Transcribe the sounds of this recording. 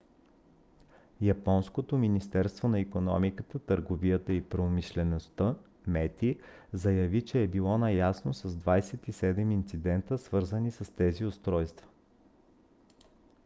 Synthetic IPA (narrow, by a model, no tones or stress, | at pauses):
jɐpɔnskot̪ominist̪ɛɾst̪vonɐikonɔ̰mikət̪ət̪əɾɡovijət̪əipɾomiʃlɛnost̪ə | mɛt̪izɐjɐvit͡ʃɛːbilˠɔnɐjasnosɐzd̪vajsɛt̪isɛd̪ɛmint̪sid̪ɛnt̪əsvɤɾzənisəst̪ɛziʊst̪ɾɔjst̪və̥